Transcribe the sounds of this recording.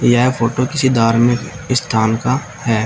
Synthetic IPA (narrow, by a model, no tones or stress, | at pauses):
jaepʰoːʈokɪsid̪aːɾmɪ̃k | ɪst̪ʰaːnka | hɛː